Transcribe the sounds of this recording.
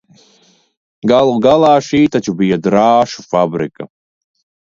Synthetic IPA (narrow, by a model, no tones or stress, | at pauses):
ɡalˠuɡalaːʃiːt̪at͡ʃʰubijad̪ɾaːʃufabɾɪkʼa